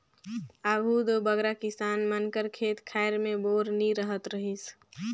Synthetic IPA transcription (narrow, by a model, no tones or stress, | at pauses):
abʱud̪obəɡɾakɪsaːnmənkəɾkʰeːt̪kʰaɪɾmẽboːɾniɾəɦət̪ɾəɦis